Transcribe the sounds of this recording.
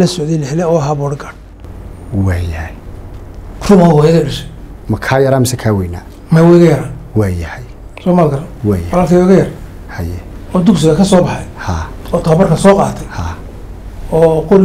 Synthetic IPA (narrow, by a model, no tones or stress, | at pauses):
lɐsɔʕd̪ɛjlɛħɪlɛɔːɦɐbɔːɽɡɐn | waːjɐhɛj | rʊmaɦɔːjɐðiɖɐʃɛ | mɐkʰaːjɐɾaːmɪsɛkʰaːwɛjna̰ː | mɛwɛɣɐjɐɾaːwaːjɐhɛj | sɔːmaːlɡɐɾɐnwaːjɔlaːlt̪ʰɐwɛɣɐjɐr | hɐjɛɔːd̪ʊks̬ɪɣɐkʰɐsɔːbɑħɑjhaː | ɔːt̪ʰaːbɐrkʰɐnsɔːqɑ̰ːt̪ʰɛjhaː | ɔːqʊl